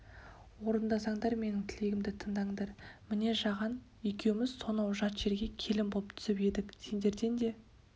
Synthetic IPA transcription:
wo̞ɾənd̪ɑsɑɴd̪ɑɾme̞nɪŋt̪ʰɪle̞ɡʲɪmd̪ɪt̪ʰəɴd̪ɑɴd̪ɑɾmɪne̞ʒɑʁɑn | ekʲe̞wɪmɪzso̞nɑwʒɑt̪ʒ̥e̞ɾɡʲe̞kʲʰe̞lɪmbo̞lˠəpt̪ʰʏ̥sɪped̪ɪkse̞nd̪e̞ɾd̪e̞nd̪e̞

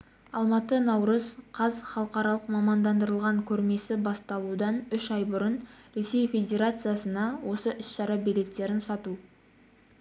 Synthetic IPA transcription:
ɑlˠmɑt̪ənɑwɾəzqʰɑzχɑlˠəqɑɾɑlˠəqmɑmɑnd̪ɑnd̪əɾəlˠʁɑŋkʲʰɵɾme̞sɪbɑst̪ɑlˠud̪ɑnʏʃɑjbʊɾənɾe̞se̞jfʲe̞d̪ʲe̞ɾat̪sɨjasənɑwo̞səʔɪsʃɑɾɑbelʲe̞t̪ːe̞ɾɪnsɑt̪u

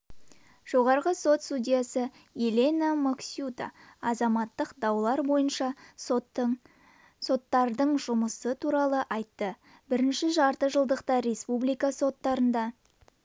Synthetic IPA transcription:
ʒ̥o̞ʁɑɾʁəso̞t̪st̪ud̪ʲijasə | jelʲenamoksʲjut̪a̰ɑzɑmɑt̪ːəqd̪ɑwlˠɑɾbo̞jənʃɑ | so̞t̪ːɑɾd̪əɴʒʊməsət̪ʰuɾɑlˠəʔɑjt̪ːə | bɪɾɪnʃɪʒɑɾt̪əʒəlˠd̪əqt̪ɑɾe̞spublijkɑso̞t̪ːɑɾənd̪ɑ

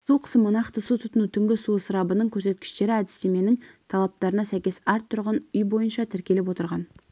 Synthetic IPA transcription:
sulˠqʰə̥səmənɑqt̪əsut̪ʰʊt̪ənut̪ʰʏŋɡʲɪsuəsəɾɑbənəɴkʲʰɵɾse̞t̪̚kʲɪ̥ʃt̪e̞ɾɪæd̪ɪst̪eme̞nɪŋt̪ʰɑlˠɑp̚t̪ɑɾənɑsæjkʲe̞sæɾt̪ʰʊɾʁənʏjbo̞jənʃɑt̪ʰɪɾkʲe̞lɪp̬wo̞t̪əɾʁɑn

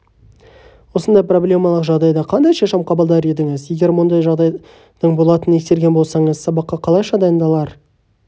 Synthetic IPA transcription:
wo̞sənd̪ɑjpro̞blʲe̞mɑlˠəqʒɑʁd̪ɑjd̪ɑqʰɑnd̪ɑjʃɑʃɑmqʰɑbəlˠd̪ɑɾe̞d̪ɪŋɪzje̞ɡʲe̞ɾwond̪ɑjʒɑʁd̪ɑj | d̪̥əɴbo̞lˠɑt̪əne̞kst̪e̞ɾɡʲenbo̞lˠsɑɴəz̥sɑbɑqːɑqʰɑlˠɑjʃɑd̪ɑjənd̪ɑlˠɑɾ

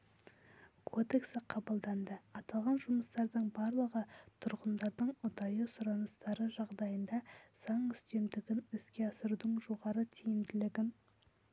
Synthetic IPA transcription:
kʰo̞d̪e̞ksɪqʰɑbɑlˠd̪ɑnd̪əɑt̪ɑlˠʁɑnʒʊməst̪ɑɾd̪əɴbɑɾlˠəʁət̪ʰʊɾʁənd̪ɑɾd̪əɴʊd̪ɑjəsʊɾɑnəst̪ɑɾəʒɑʁd̪ɑjənd̪ɑz̥ɑɴʏst̪e̞md̪ɪɡʲɪnɪskʲe̞ɑsəɾud̪əɴʒo̞ʁɑɾət̪ʰijɪmd̪ɪlɪɡʲɪn

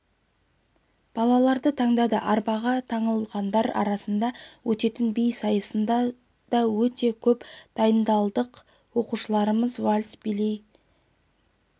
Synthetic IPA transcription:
b̥ɑlˠɑlˠɑɾd̪ət̪ʰɑɴd̪ɑd̪əʔɑɾbɑʁɑt̪ʰɑɴəlˠʁɑnd̪ɑɾɑ̰ɾɑsənd̪ɑwʔɵt̪e̞t̪ɪnbejsɑjəsənd̪ɑ | d̪̥ɑwɵt̪e̞kʲʰɵpd̪̥ɑjənd̪ɑlˠd̪əq | wo̞quʃəlˠɑɾəməzwalʲsbɪlej

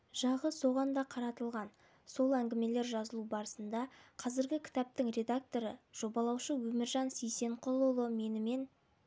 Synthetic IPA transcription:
ʒ̥ɑʁəso̞ʁɑnd̪ɑqʰɑɾɑt̪əlˠʁɑn | so̞lˠæŋɡʲɪme̞le̞ɾʒɑzəlˠubɑɾəsənd̪ɑqʰɑzɪɾɡʲɪkʲʰɪ̥t̪ɑp̚t̪əŋrʲe̞d̪ak̚t̪o̞ɾəʒ̥o̞bɑlˠɑwʃəwɵmɪɾʒɑnsejse̞ɴqʰolˠolˠəme̞nɪme̞n

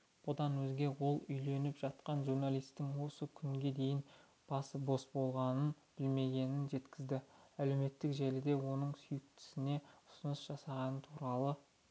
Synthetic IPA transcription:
b̥ʊd̪ɑnwɵzɡʲe̞wo̞lˠʏjle̞nɪpʒ̥ɑt̪qɑnʒurnalˠijst̪ːɪŋwo̞səkʲʰʏŋɡʲe̞d̪e̞jɪn | b̥ɑsbo̞sbo̞lˠʁɑnən | b̥ɪlme̞ɡʲe̞nɪnʒe̞t̪kʲɪzd̪ɪæle̞me̞t̪ːɪkʒælɪd̪e̞wo̞nəɴsʏjɪk̚t̪ʰɪ̥sɪne̞ʊsʊnəsʒ̥ɑsɑʁɑnət̪ʰuɾɑlˠə

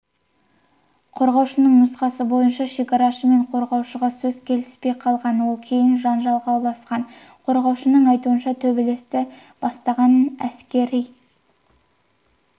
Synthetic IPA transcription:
qʰo̞ɾʁɑwʃənəɴnʊsqɑsəbo̞jənʃɑʃe̞kʲɑɾɑʃəme̞ɴqʰo̞ɾʁɑwʃəʁɑsɵzkʲʰe̞lɪspe̞jqʰɑlˠʁɑnwolˠkʲʰe̞jɪnʒɑnʒɑlˠʁɑwlˠɑsqɑn | qʰo̞ɾʁɑwʃənəɴɑjt̪uənʃɑt̪ʰɵbele̞st̪ɪ | b̥ɑst̪ɑʁɑnənæskʲe̞ɾij

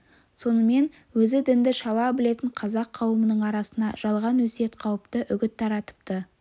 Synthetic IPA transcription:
so̞nəme̞n | wɵzɪd̪ɪnd̪ɪʃɑlˠɑbɪle̞t̪ɪɴqʰɑzɑqʰːɑwəmənəɴɑɾɑsənɑ̰ʒ̥ɑlˠʁɑnwɵse̞t̪qʰɑwəpt̪əʔʏɡʲɪt̪ʰːɑɾɑt̪ə̥p̚t̪ə

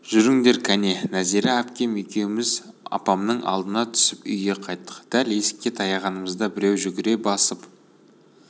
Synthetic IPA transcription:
ʒ̥ʏɾɪŋd̪e̞ɾkʲʰæne̞næzeɾɪæpkʲe̞me̞kʲe̞wɪmɪzɑ̰pɑmnəɴʔɑ̰lˠd̪ənɑt̪ʰʏ̥sɪpʏ̰jɡe̞qʰɑjt̪ːə̥qd̪̥æle̞sɪ̥kʲːe̞t̪ʰɑjɑʁɑnəməzd̪ɑbɪɾe̞wʒʏɡʲɪɾe̞bɑsəp

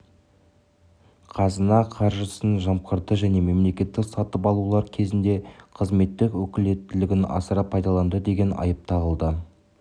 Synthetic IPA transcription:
qʰɑzənɑqʰɑɾʒəsənʒɑmqəɾd̪əʒæne̞me̞mle̞kʲe̞t̪ːɪksɑt̪əpɑlˠulˠɑɾkʲʰe̞zɪnd̪e̞qʰəzme̞t̪ːɪkwɵkʲɪle̞t̪ːɪlɪɡʲɪnɑ̰səɾɑpʰːɑjd̪ɑlˠɑnd̪əd̪e̞ɡʲe̞nʔɑ̰jəp̚t̪ʰɑʁəlˠd̪ə

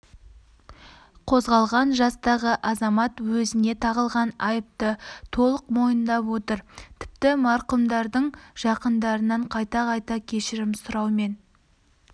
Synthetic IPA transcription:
qʰo̞zʁɑlˠʁɑnʒɑst̪ɑʁəʔɑzɑmɑt̪wɵzɪne̞t̪ʰɑʁəlˠʁɑnɑjəp̚t̪ət̪ʰo̞lˠəqmo̞jənd̪ɑpwo̞t̪əɾt̪ʰɪ̥p̚t̪ɪmɑɾqəmd̪ɑɾd̪əɴʒ̥ɑqənd̪ɑɾənɑɴqʰɑjt̪ɑqʰɑjt̪ɑkʲʰe̞ʃɪɾɪmsʊɾɑwme̞n

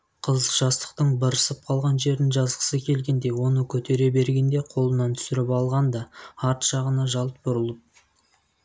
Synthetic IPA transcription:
qʰəzʒɑst̪ə̥qt̪əɴbəɾəsəp̚qʰɑlˠʁɑnʒe̞ɾd̪ɪnʒɑzʁə̥səkʲʰe̞lɡʲe̞nd̪e̞wo̞nəkʲʰɵt̪ʰe̞ɾe̞be̞ɾɡʲe̞nd̪e̞qʰo̞lˠənɑnt̪ʰʏ̥sɪɾɪpɑlˠʁɑnd̪ɑɑɾt̪ʃɑʁənɑʒɑlˠt̪̚b̥ʊɾəlˠəp̚

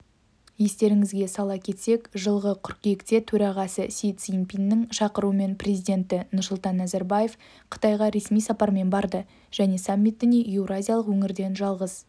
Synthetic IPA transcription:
je̞st̪e̞ɾɪŋɪzɡʲe̞sɑlˠɑkʲʰe̞t̪se̞kʒəlˠʁəqʰʊɾqe̞kt̪e̞t̪ʰɵɾɑʁɑsəsʲijt̪sjimpʲinːɪŋʃɑqəɾuwəme̞nprʲezʲijd̪ʲe̞nt̪ɪnʊrsʊlˠt̪ɑnːzaɾbaje̞f | qʰə̥t̪ɑjʁɑɾe̞smijsɑpɑɾme̞nbɑɾd̪ə | ʒ̥æne̞samʲːit̪ːɪneevɾazʲijalˠəqwɵŋɪɾd̪e̞nʒɑlˠʁəz

